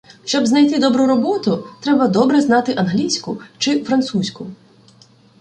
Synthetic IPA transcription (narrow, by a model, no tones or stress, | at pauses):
ʃt͡ʃɔbznɐjt̪ɪd̪ɔbɾʊɾɔbɔt̪ʊt̪ɾɛbɐd̪ɔbɾɛznɑt̪ɪʔɐnɦlʲisʲkʊt͡ʃɪfɾɐnt̪susʲkʊ